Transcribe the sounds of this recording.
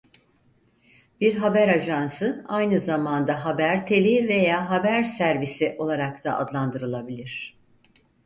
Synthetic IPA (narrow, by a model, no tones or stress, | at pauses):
biɾɦabæɾaʒansɯajnɯzamand̪aɦabæɾt̪ʰe̞lʲive̞jaːɦabæɾsæɾvisiʔo̞lˠaɾakt̪ʰaʔa̰d̪lˠand̪ɯɾɯlˠabilʲiɾ̝̥